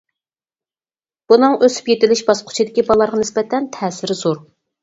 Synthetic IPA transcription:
b̥unɨŋʔøsy̥pjet̪ɪlɪʃbɑsqʰʊ̥t͡ʃʰid̪ɪkʲibɑlˠɑɾʁɑnɪsbɛt̪ʰɛnt̪ʰɛːsɪɾzoɾ

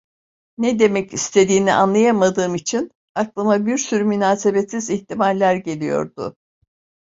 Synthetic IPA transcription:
nɛd̪e̞mɛcist̪ʰe̞d̪iːniʔa̰nlˠajamad̪ɯːmit͡ʃʰin | aklˠɯmabiɾsyɾymynaːse̞bet̪siziçt̪ʰimalʲːæɾɟe̞lʲijo̞̰ɾd̪ʊ̰

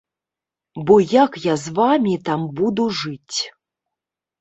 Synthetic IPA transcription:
bɔjakjazvamʲit̪ambud̪uʐɨt͡sʲ

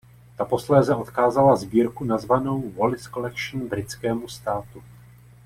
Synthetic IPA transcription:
t̪apo̞slɛːzɛo̞t̪kaːzalazbiːɾkunazvano̞wvolɪsko̞lɛkʃn̩bɾɪt͡skɛːmust̪aːt̪u

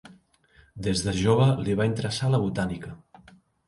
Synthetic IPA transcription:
d̪ezðəʒoβ̞əliβaint̪əɾəsaləβut̪anikə

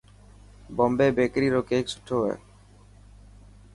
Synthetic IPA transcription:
bombeːbeːkɾiːɾoːkeːksʊ̥ʈʰoːɦɛ̰ː

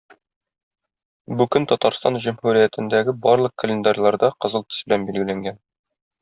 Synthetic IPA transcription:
bʉkɵnt̪ɒt̪ɑɾst̪ɑnʑumhuɾijæt̪ɘ̆nd̪æɡɘbɒɾlˠɤq̚kːə̆lʲɪnd̪arʲlˠɑɾd̪ɑqɤ̆zɤlˠt̪ɘ̥sbɘ̆lænbilɡɘ̆læŋɡæn

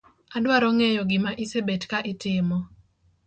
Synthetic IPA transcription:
adwaɾɔŋejɔɡɪmaʔisebetkaʔɪtɪmɔ

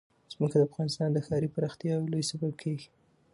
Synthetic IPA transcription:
z̥məkad̪əafɣɑnɪst̪ɑnd̪əxɑɾipəɾɑxt̪jɑwlojsabab̚kʰeɡi̥

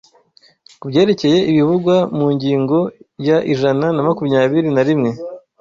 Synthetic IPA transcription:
kubje̞ːɾe̞ce̞je̞ʔiβiβuɡwamuːɲɟiːŋɡo̞jaʔiʒananamakumɲaːβiɾinaɾimŋe̞

